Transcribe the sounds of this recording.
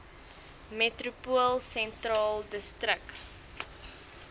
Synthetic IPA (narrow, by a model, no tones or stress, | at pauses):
metrupuəlˠsɛntrɑːldəstɾək